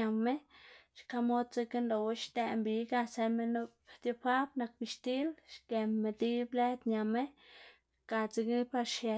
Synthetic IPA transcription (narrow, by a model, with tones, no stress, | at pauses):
a˨me˦ʃka˧mo˦d̪t͡se˧ke˦nlo˨we˦ʃt̪e˧mbi˧ɡa˦˧se˧me˧no˧ | t̪jo˧pa˦bna˧k̚bi˧ʃt̪i˦lʃke˨mːe˧d̪i˦ble˦d̪ɲa˨me˦ | ʃka˧t͡se˧kpa˧ɾʃje˨